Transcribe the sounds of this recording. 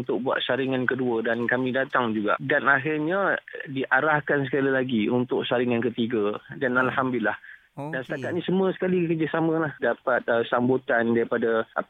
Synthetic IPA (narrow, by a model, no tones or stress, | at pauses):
nt̪ʊk̚bua̰t̪̚saɾiŋankəduədankamĩdat̪aŋd͡ʒuɡa̰ʔdanaɦɪrɲãdiʔaɾahkansəkalilaɡiunt̪ʊʔ̚saɾiŋankət̪iɡadanalhambilːah | dansə̥t̪akat̪̚nĩsəmũəsə̥kalikərd͡ʒasamə̃lahdapat̪̚əsambut̪andaɾipadaʔa̰p